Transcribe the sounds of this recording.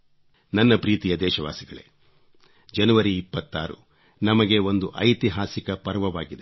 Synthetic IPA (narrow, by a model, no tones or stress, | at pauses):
nɐnːɐpɾiːt̪ijɐd̪ɛːʃɐʋa̰ːsiɡɐɭḛ | d͡ʒɐnuʋɐɾiːpːɐt̪ːaːɾṵ | nɐmɐɡe̞o̞nd̪uʔɐjt̪iɦaːsikɐpɐɾʋɐʋaːɡid̪e